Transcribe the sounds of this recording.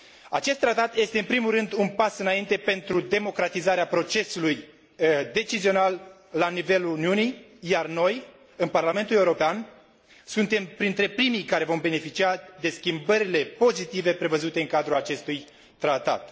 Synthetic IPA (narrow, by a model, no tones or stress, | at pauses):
at͡ʃe̞st̪ːɾat̪at̪je̞st̪eɨnpɾimulrɨnd̪unpasɨnaint̪e̞pe̞nt̪ɾud̪e̞mo̞kɾat̪izaɾeapɾo̞t͡ʃe̞suluj | d̪e̞t͡ʃizio̞nalː | anive̞luuniunijjarno̞j | ɨnparlame̞nt̪ule̞uɾo̞pean | sunt̪e̞mpɾint̪ɾe̞pɾimijkaɾe̞vo̞mbe̞ne̞fit͡ʃiad̪e̞skʲimbəɾile̞po̞zit̪ive̞pɾe̞vəzut̪e̞ɨŋkad̪ɾulat͡ʃe̞st̪uj | t̪ɾat̪a̰t̪